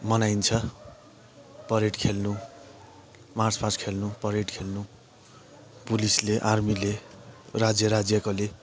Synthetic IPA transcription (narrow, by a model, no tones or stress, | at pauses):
mʌnajnt͡sʰʌ | pʌɾeʈkʰelnu | mart͡spʰaskʰelnupʌɾeʈkʰelnu | pulisleʔarmilerad͡zjʌɾad͡zjʌkole